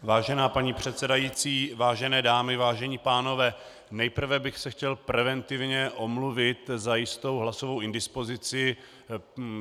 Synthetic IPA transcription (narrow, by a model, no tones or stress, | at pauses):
vaːʒɛnaːpaɲiːpr̥ɛt̪sɛdajiːt͡siːvaːʒɛnɛːdaːmɪvaːʒɛɲiːpaːno̞vɛː | nɛjpr̩vɛbɪxsɛxcɛlpɾɛvɛnt̪ɪvɲɛʔo̞mluvɪt̪zajɪst̪o̞wɦlasovo̞wʔɪndɪspo̞zɪt͡sɪ